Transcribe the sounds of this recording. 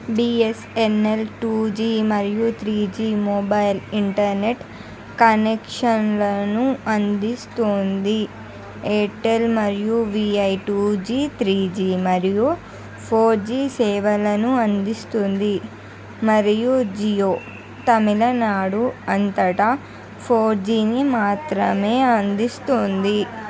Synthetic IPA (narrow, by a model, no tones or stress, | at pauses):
biːesenːelʈuːd͡ʒiːmɐɾijut̪ʰɾiːd͡ʒiːmoːbɐjliɳʈɐɾneʈ | kɐnekʂɐnlɐnuɐnd̪ist̪oːnd̪i | eːʈelmɐɾijuʋiːɐjʈuːd͡ʒiːt̪ʰɾiːd͡ʒiːmɐɾiju | pʰoːɾd͡ʒiːsɛːʋɐlɐnuɐnd̪ist̪und̪i | mɐɾijud͡ʒiːjoː | t̪ɐmilɐnaːɽuɐnt̪ɐʈɐ | pʰoːɾd͡ʒiːnimaːt̪ɾɐme̞ːɐnd̪ist̪oːnd̪i